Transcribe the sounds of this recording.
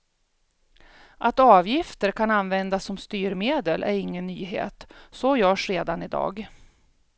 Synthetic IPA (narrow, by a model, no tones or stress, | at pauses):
ʔat̪ɑːvjɪft̪əɾkʰananvɛnd̪asːɔmst̪yːɾmeːd̪əlʔæɾɪŋːənːyːɦḛːt̪sɔjœːʂɾeːd̪anɪd̪ɑ̰ːɡ